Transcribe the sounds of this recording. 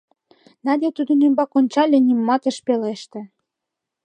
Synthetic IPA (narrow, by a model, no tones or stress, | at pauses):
nɑd̪ʲet̪ud̪ə̆nymbɑkonʲt͡ɕɑlʲenʲimmːɑt̪ə̆ʃpeleʃt̪ĕ